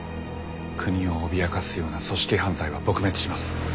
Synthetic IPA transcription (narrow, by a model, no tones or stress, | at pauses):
kʰɯ̟ɲ̟io̞ːbʲiakasɨjo̞ːnaso̞ɕi̥kʲiɦãñzaiβabo̞kɯ̟me̞t͡sɨ̥ɕimasɨ̥